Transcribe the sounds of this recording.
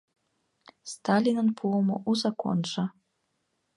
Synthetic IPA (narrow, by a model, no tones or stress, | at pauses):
st̪ɑlʲinənpʰuomo̰ʔuzɑko̰nʒɑ